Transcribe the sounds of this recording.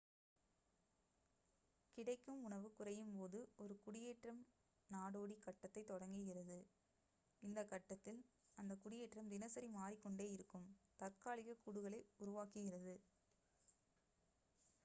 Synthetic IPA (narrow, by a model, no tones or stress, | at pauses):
kɪɽɐɪkːɯmʊɳɐʋɯkʊrɐjɯmpoːðɯɔɾɯkʊɽɪjeːʈrɐm | naːɽoːɽikɐʈːɐt̪ːɐɪt̪ːɔɽɐŋɡɪɣɪrɐðɯ | ɪnd̪ɐkːɐʈːɐt̪ːɪlɐnd̪ɐkʊɽɪjeːʈrɐmd̪ɪnɐsɐɾimaːɾikːɔɳɖeːjɪɾɯkːɯmt̪ɐɾkaːɭɪɣɐkuːɽɯɣɐɭɐɪʊɾʊʋaːkɯɣɪrɐðɯ